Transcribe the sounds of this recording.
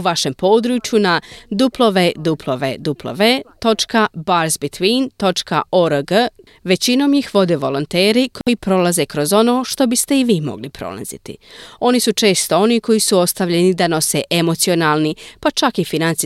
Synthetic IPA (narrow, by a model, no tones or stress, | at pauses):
uʋaʃe̞mpo̞ːd̪ɾut͡ʃjunad̪uplˠo̞ʋed̪upʰlˠoʋḛd̪uplˠo̰ʋet̪o̞t͡ʃkabaɾzbit̪ʋiːnt̪o̞t͡ʃkaoɾəɡə | ʋe̞t͡ɕino̞ːmjixʋo̞d̪e̞ʋo̞lo̞nt̪eːɾikʰojipɾo̞laze̞kɾo̞zo̞no̞ːʃt̪o̞bist̪e̞iʋiːmo̞̰ɡlipɾo̰lˠa̰zḭt̪ḭo̞nisut͡ʃe̞ːst̪o̞o̞niko̞jisuo̞st̪aʋʎe̞nid̪ano̞se̞ʔemo̞t̪sio̞naːlˠnipat͡ʃakifinant̪si